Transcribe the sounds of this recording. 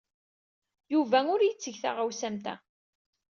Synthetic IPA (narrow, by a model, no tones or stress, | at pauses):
juvæʊɾjət͡sːəʝθa̰ʁawsæmt̪æ̰